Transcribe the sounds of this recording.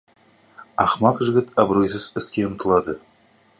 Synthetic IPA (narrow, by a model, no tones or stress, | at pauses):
ɑ̰χmɑqʒɪɡʲɪt̪ɑbɾo̞js̬ɪzɪskʲe̞ʊmt̪əlˠɑd̪ə